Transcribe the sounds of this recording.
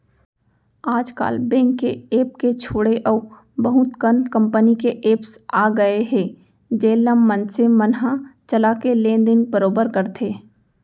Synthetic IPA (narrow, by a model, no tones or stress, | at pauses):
aːd͡ʒka̰ːlbɛ̃ːŋkːeeːp̚ket͡ʃʰoːɽeʔəː | bəɦʊt̪kənkə̃mpənikeʔeːpsaːɡəeɦɛː | d͡ʒeːləmːə̃nsemənɦat͡ʃəlakelẽːnd̪ɪnbəɾoːbəɾkəɾt̪ʰeː